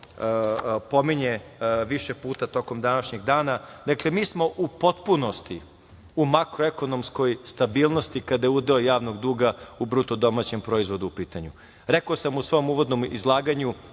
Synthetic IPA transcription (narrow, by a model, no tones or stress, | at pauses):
po̞miɲeʋiʃepuːt̪at̪o̞ko̞md̪anaʃɲeɡd̪aːnad̪akle̞miːsmo̞ʔupo̞t̪puno̞st̪i | umakɾoeko̞no̞msko̞jst̪abiːlˠno̞st̪ikad̪ajeud̪eojaːʋno̞ɡd̪uːɡaubɾut̪od̪o̞mat͡ɕempɾo̞izʋo̞d̪uːpiːt̪aɲu | ɾekoːsamusʋo̞jomuːʋo̞d̪no̞mḭzlˠaːɡaɲu